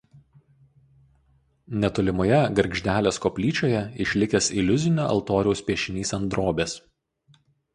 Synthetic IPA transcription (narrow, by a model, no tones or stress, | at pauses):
nʲɛt̪oːlʲɪmoːjɛɡɐɾʲɡʲʒʲd̪ʲæːlʲeːskɔːpʲlʲiːt͡ʃʲoːjɛɪʃʲlʲɪkʲeːsɪlʲʊzʲɪnʲoːɐ̰lˠt̪oːɾʲɛʊsʲpʲiɛʃʲɪnʲiːsɐnd̪ɾoːbʲeːs